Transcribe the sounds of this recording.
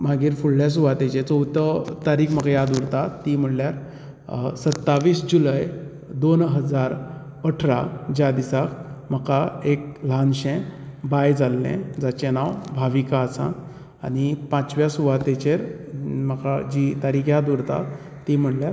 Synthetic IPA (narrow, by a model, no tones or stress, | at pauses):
m̤aɡiːɾfuɽljas̬uʋat̪et͡ɕet͡səwt̪ət̪aɾiːkm̤əkajad̪uɾt̪at̪ːim̤əɽljaɾ | sət̪ːaʋiːsd͡ʑulaj | d̪onɦəd͡zaɾ | əʈʰɾad͡ʑad̪isakm̤əkaek̚l̤anɕẽbajd͡zalːḛ̃d͡zat͡ɕenawbʱaʋikaəsã̰ː | nipãt͡sʋjasuʋat̪et͡ɕeɾ | məkad͡ʑit̪aɾiːkjad̪uɾt̪a̰ | t̪ːim̤əɽljaɾ